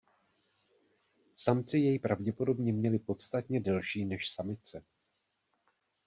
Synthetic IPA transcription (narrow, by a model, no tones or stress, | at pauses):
samt͡sɪjɛjpɾʔavɟɛpo̞do̞bɲɛmɲɛlɪpo̞t̪st̪at̪ɲɛdɛlʃiːnɛʃsamɪt͡sɛ